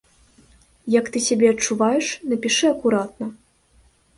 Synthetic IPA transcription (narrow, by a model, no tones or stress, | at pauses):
jɐkt̪ɨsʲabʲɛɐt͡ʂːuvajɛʂnɐpʲiʂɨɐkuɾat̪nɐ